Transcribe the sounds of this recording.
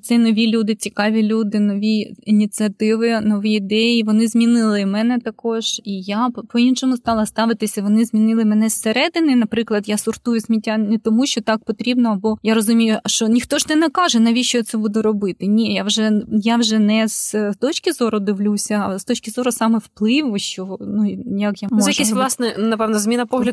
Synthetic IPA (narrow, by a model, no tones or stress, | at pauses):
sʲɛnɔʋʲilʲud̪ɪt͡sʲikɑʋʲilʲud̪ɪnɔʋʲiinʲisʲɨɐt̪ɪʋɪnɔʋʲiid̪ɛjiʋɔnɪzʲmʲinɪlˠɪmɛnɛt̪ɐkɔʒ̥ijapɔinʃɔmʊst̪ɑlˠɐst̪ɑʋɪt̪ɪsʲɐʋɔnɪzʲmʲinɪlˠɪmɛnɛsseɾɛd̪ɪnɪnɐpɾɪklˠɐd̪jasʊrt̪ujʊsʲmʲitʲːanɛt̪ɔmuʃt͡ʃɔt̪ɑk̚pɔt̪ɾʲibnɔɐbɔjaɾɔzʊmʲijʊʃt͡ʃɔnʲixt̪ɔʒnɛnɐkɑʒɛnɐʋʲit͡ʃɔtsɛbud̪ʊɾɔbɪt̪ɪnʲijawʒɛjaʋʒɛnɛzt̪ɔt͡ʃkʲɪzɔɾʊd̪ɪʋlʲusʲɐst̪ɔt͡ʃkʲɪzɔɾʊsɑmɛwplˠɪʋʊʃt͡ʃɔnujɐkjamzɔjɐkɛsʋlˠɑsnɛnɐpɛʋnɐzʲmʲinɐpɔɦlʲɐd̪